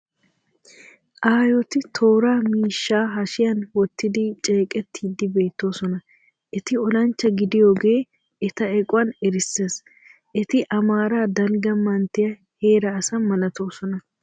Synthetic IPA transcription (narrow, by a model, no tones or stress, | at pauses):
ʔaːjɔt̪ɪt̪ʰo̞ːɾaːmiːʃːaːɦɐʃɪjɐnwɔt̪ːɪd̪ɪt͡ʃʼe̞ːkʼɛt̪ːiːd̪ɪbe̞ːt̪ːo̞ːsɔnɐ | ʔɛt̪ɪɔlɐnt͡ʃːɐɡɪd̪ɪjo̞ːɡe̞ː | ɛt̪ɐɛkʼʊwɐnɛɾɪsːe̞ːs | ʔɛt̪ɪʔɐmaːɾaːd̪ɐlɡɐmɐnt̪ːɪjɐ | he̞ːɾɐːsɐmɐlɐt̪o̞ːsɔnɐ